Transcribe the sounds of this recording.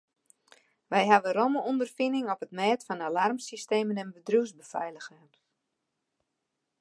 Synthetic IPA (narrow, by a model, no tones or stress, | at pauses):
ʋɛjɦaʋərɔməɔndərfinɪŋɔpətmɛːtfɔnalarmsisteːmənɛnbədrusbəfɛ̰jləxən